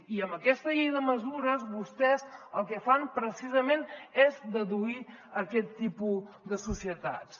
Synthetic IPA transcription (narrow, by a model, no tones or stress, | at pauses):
iəmbəkɛst̪əʎejðəməzuɾəzβust̪ɛzəlˠkəfanpɾəsizəmenezd̪əðuiəkɛt̪ːipu | d̪əsusiət̪a̰t̪s